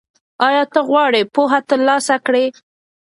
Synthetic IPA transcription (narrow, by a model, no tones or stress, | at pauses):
ɑjɑt̪əɣwɑɽepoɦat̪əɾlɑsakɽe